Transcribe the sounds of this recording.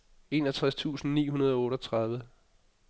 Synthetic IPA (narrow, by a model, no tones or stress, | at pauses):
e̝ːnɒt͡sʰʁast͡sʰṵːsn̩nḭːɦunɐð̞ˠɒɔ̽ːɾɒt͡sʰʁɑ̈ð̞ˠʋə